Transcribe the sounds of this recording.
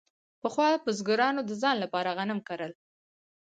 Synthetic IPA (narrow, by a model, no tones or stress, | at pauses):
pəxwɑpəzɡʊɾɑnod̪əzɑnlapɑɾaɣanəmkaɾəl